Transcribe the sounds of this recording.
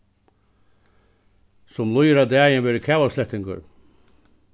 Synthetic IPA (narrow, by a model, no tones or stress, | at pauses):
sʊmlʊjɾad̪æːjənʋɛːɾəkʰɛːwaslɛht̪ːɪŋkə̰ɾ